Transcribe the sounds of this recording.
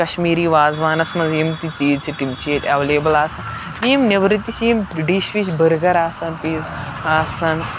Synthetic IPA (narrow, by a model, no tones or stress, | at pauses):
ɐʃmiːɾiːʋaːzʋaːnɐsmɐnziːmt̪it͡ʃiːzt͡ʃʰiʈimt͡ʃʰeːt̪ɐʋleːbɐlaːsɐn | iːmniʋɾit̪it͡ʃiːmɖiʃʋit͡ʃbɐɾɡɐɾaːsɐnpiːz | aːsɐn